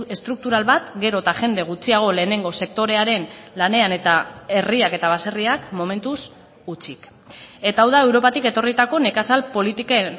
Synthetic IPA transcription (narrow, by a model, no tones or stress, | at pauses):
e̞st̪ɾuk̚t̪uɾalβat̪ɡe̞ɾo̞t̪aʝe̞nd̪e̞ɣ̞ut͡siaɣ̞o̞le̞ːne̞ŋɡo̞se̞k̚t̪o̞ɾe̞aɾe̞nlane̞ane̞t̪ae̞riake̞t̪aβase̞riakmo̞me̞nt̪us | ut͡sik | e̞t̪aawðae̞wɾo̞pat̪ike̞t̪o̞rit̪ako̞ne̞kasalpo̞lit̪ike